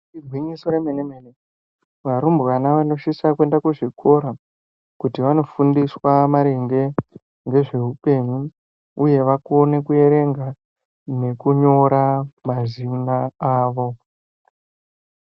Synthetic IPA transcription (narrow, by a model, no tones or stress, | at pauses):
irʱwiɲiso̞ɾemenemene | ʋaɾumbɣanaʋano̞ʃisakwe̞ndakuʐikʰo̞ɾa | kutiʋano̞fundiswamaɾe̞ŋɡe̞ | ŋɡe̞ʐe̞ɦupe̞ɲu | uje̞ʋakone̞kue̞ɾe̞ŋɡa | ne̞kuɲo̞ɾamazinaaːʋo̞